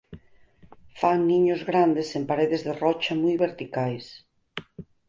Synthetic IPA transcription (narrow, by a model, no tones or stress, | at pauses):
faŋniɲʊzɣɾand̪esempaɾeðezðerɔt͡ʃamujβeɾt̪ikajs